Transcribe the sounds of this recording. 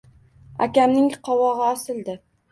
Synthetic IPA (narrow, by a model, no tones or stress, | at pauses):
a̰kʲamnɪŋqʰɒwɒʁɨɒsɪlˠd̪ɪ